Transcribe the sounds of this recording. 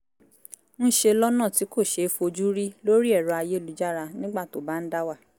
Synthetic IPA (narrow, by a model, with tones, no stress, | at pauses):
n̩˦ʃe˧lɔ˦nã˦˨ti˨˦ko˦˨ʃe˧˦fo˧d͡ʒu˦ɾi˦lo˦ɾi˦ɛ˦˨ɾɔ˨˧a˧je˦lu˨˦d͡ʒa˦ɾa˧nĩ˦ɡ͡ba˦˨to˨ba˦n̩˦da˦wa˦˨